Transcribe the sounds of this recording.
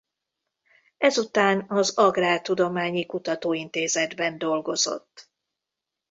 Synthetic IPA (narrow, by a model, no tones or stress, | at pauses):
ɛzut̪aːnɒzɒɡraːrt̪ud̪o̞maːɲikut̪ɒt̪oːint̪eːzɛd̪bɛnd̪o̞lɡo̞zo̰t̪ː